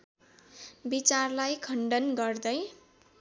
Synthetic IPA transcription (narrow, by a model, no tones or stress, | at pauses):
bit͡sarlajkʰʌɳɖʌnɡʌrd̪ʌj